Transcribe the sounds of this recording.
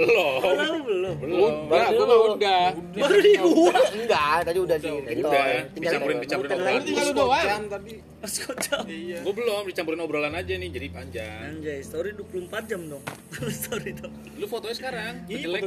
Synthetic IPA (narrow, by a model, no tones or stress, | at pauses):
bəlɔbəlɔuaəlaudaəɾiuəŋɡat̪ad͡ʒiudahdiit̪daiiat͡ʃampuɾɪnpit͡ʃapuɾɪnt̪iald̪ɔa | skʰot͡ʃɔɡɔbəlɔmdit͡ʃampuɾɪnɔbəɾolanad͡ʒanɪhd͡ʒadipaɲd͡ʒa̰aɲd͡ʒajst̪oɾidupulumpat̪̚d͡ʒamdɔŋst̪oɾit̪o | lufot̪oɲasəkaɾaŋilɛ